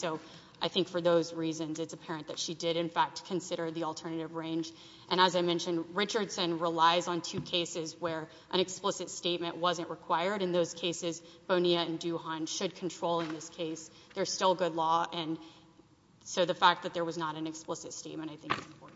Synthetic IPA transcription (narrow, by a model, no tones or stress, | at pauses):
soʊ | ʔaɪθɪ̃ŋkfə˞ðoʊzɹizɨ̃nzɨtsɨpʰɛɹɨ̃nðɨtʃidɪɾɨ̃nfæk̚t̚kʰɨ̃nsɪɾə˞ðil̩ˠtʰɜ˞nɨɾɨvɹẽɪ̃nd͡ʒ | ʔɨ̃ɾ̃əzaɪmɛ̃nʃɨ̃nɹɪt͡ʃə˞d̥sɨ̃nɹɪlaɪzn̩tʰʉkʰeɪsɪzwə˞ | ʔɨ̃ɾ̃ɨksplɪsɨtsteɪt̚mɨ̃nʔwʌzɨ̃nʔɹɨkʰw̥aɪə˞ɾɨ̃nðoʊz̥kʰeɪsɪzb̥õʊ̃niɨɨ̃ndʉhɑ̃nʃɨd̚kʰn̩tʰɹ̥oʊlˠə̃nðɪskʰeɪs | ðə˞z̥stɪlˠɡʊdˡlɔɨ̃n | soʊðɨfæk̚ðɨt̪̚ðə˞wʌznəɾɨ̃nɨksplɪsɨtsteɪt̚mɨ̃naɪθɪ̃ŋk̚ɨɔ